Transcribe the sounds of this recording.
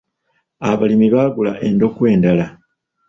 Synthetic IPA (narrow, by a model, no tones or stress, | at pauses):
aβalimiβaːɡulaʔe̞ndo̞kwe̞ːndala